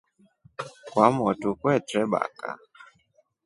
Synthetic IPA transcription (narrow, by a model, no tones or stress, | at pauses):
kwamɔtukwɛtɾɛɓa̰ka̰